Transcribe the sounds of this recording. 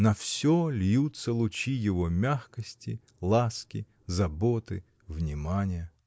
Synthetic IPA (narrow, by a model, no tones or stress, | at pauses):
nɐfsʲɔlʲjut̪sːɐlˠʊt͡ɕijɪʋɔmʲaxkɐsʲtʲi | lˠaskʲɪ | zɐbɔt̪ɪ̰ | vnʲɪmanʲɪjə